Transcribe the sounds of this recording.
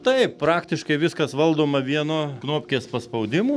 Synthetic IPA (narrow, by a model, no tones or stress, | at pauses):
t̪ɐɪppɾɑːkt̪ʲɪʃkɐɪʋʲɪskɐsʋɐlˠd̪oːmɐʋʲiɛnoːknoːpʲkʲeːspɐspɐʊd̪ʲɪmuː